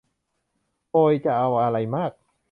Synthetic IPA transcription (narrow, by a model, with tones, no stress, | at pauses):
ʔoː˧jt͡ɕa˨˩ʔa˧wʔa˧ɾa˧jmaː˥˩k̚